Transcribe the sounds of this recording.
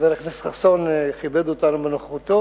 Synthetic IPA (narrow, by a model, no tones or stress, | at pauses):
veleχnisχasonχibed̪uot̪anubenoχχut̪o